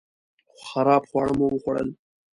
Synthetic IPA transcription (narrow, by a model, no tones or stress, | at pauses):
xaɾɑːbxwɑːɽəmowəxwaɽə̰l